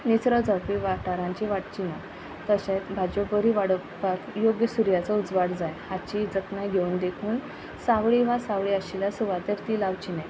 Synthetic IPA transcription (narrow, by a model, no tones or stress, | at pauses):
nit͡sɾəd͡zəpiʋaʈaɾãɲt͡ɕiʋaʈ̚t͡ɕina | t̪əɕẽbʱad͡ʑobəɾiʋaɽə | pak̪joɡjəsuɾjat͡sɔud͡zʋaɽd͡zajhat͡ɕid͡zəknajɡʱeund̪ekʰuːn | saʋɭiʋasaʋɭiaɕilasuʋat̪eɾt̪iːlaʋt͡ɕinaj